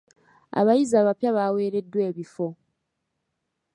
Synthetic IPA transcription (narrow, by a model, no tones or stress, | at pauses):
a̰βajizaːβapjaβawe̞ːɾe̞dːwe̞ːβifo̞